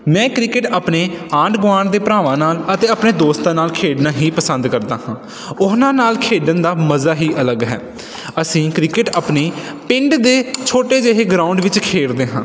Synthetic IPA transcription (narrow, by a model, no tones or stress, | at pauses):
mɛ̃ːkɾɪkɪʈaːpneːãːɳɖɡʊʋaːɳd̪eːpɾaːʋãːnaːlət̪eːəpneːd̪oːst̪ãːnaːlkʰeːɖnãːɦiːpəsə̃nd̪kəɾd̪aːhãː | ʊɦnãːnaːlkʰeːɖənd̪aːməzaːɦiːʔələɡɦɛ̰ː | əsĩːkɾɪkɪʈaːpneː | pɪ̃ɳɖd̪eːt͡ʃʰoːʈeːd͡ʒeɦeːɡɾãːʊɳɖʋɪt͡ʃkʰeːɽd̪eːɦãː